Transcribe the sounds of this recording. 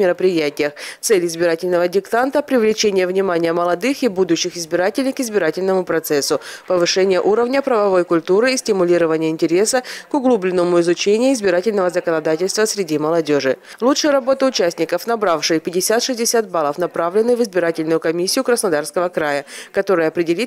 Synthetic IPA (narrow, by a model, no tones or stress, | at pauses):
mʲɪɾəpɾʲɪjætʲɪjəxt̪sɛlʲɪzbʲɪɾatʲɪlʲnəvədʲɪkt̪ant̪əpɾʲɪvlʲɪt͡ɕenʲɪjəvnʲɪmanʲɪjəməlˠɐd̪ɨxibud̪ʊɕːɪxɪzbʲɪɾatʲɪlʲɪjkɪzbʲɪɾatʲɪlʲnəmʊpɾɐt̪sɛsːʊpəvɨʂɛnʲɪjəʔuɾəvnʲəpɾəvɐvo̞jkʊlʲt̪uɾɨːsʲtʲɪmʊlʲiɾəvənʲɪjəɪnʲtʲɪɾʲe̞səkʊɡlˠublʲɪnːəmʊɪzʊt͡ɕenʲɪjʊɪzbʲɪɾatʲɪlʲnəvəzəkənɐd̪atʲɪlʲst̪vəsɾʲɪdʲiməlˠɐdʲoʐɨ | lˠutʂəjəɾɐbo̞t̪əʊt͡ɕæsʲnʲɪkəfn̪ɐbɾafʂɨjpʲɪdʲɪsʲat̪ʂɨzʲdʲɪsʲat̪̚balˠəfnɐpɾavlʲɪnːɨvɨzbʲɪɾatʲɪlʲnʊjʊkɐmʲisʲːɪjʊkɾəsnɐd̪arskəvəkɾajəkɐt̪o̞ɾɨjəɐpɾʲɪdʲɪlʲit̪